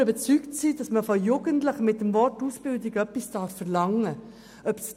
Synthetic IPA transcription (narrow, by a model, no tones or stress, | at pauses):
øbət͡syktsiːdɑsməfɔjuɡ̥əntləχəmɪt̚ːəmvɔrtusb̥ɪldɪɡœpːisd̥ɑːɾfːɛʁlɑŋːə | œps